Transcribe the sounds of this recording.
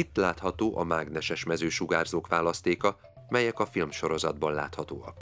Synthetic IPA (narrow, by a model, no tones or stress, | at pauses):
it̪ːlaːt̪hɒt̪oːʔɒmaːɡnɛʃɛʃmɛzøːʃuɡaːrzoːkʋaːlɒst̪eːkɒ | mɛjɛkɒfilmʃo̞ɾo̞zɒd̪bɒnla̰ːt̪hɒt̪oːɒk